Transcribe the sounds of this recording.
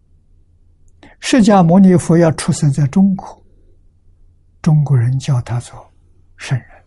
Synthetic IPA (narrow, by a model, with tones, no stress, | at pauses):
ʂɻ̩˥˧t͡ɕja˥˩mɔ˧˥ni˧˥fu˧˥jɑ˥˧ʊʈ͡ʂʰu˥˩sə˥nt͡sa˥˩ɪʈ͡ʂʊ˥ŋkwɔ˨˩˦ | ʈ͡ʂʊ˥ŋkwɔ˧˥ɻə˧˥nt͡ɕjɑ˥˩ʊt̪ʰa˥t͡swɔ˥˩ | ʂə˥˧nɻə˧˥n